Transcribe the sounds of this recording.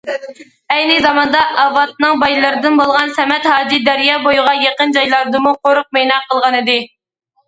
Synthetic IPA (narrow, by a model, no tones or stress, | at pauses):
ɛjnɨzɑmɑnd̪ɑʔɑvɑt̪̚nɨŋbɑjlˠɨɾɨd̪ɨnbolˠʁɑnsɛmɛt̪hɑːd͡ʒ̪id̪æɾjɑːbojʁɑjeqənd͡ʒɑjlˠɑɾd̪ɨmuqʰoɾʊq̚mejnɑqʰəlˠʁɑnɨd̪ɨ